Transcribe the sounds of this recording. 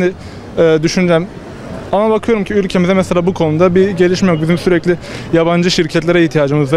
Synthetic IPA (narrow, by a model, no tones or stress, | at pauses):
d̪ɪ | ɛːd̪yʃynyd͡ʒɛm | anabakʰɯjo̞ɾumcʰiylʲcʰemizɛmɛselʲaːbukʰo̞nud̪abiɟe̞lʲiʃmɛjo̞k̚bizimsyɾɛclʲɪjaband͡ʒɯʃiɾcʰɛt̪lʲe̞ɾɛiht̪ʰijaːd͡ʒɯmɯzv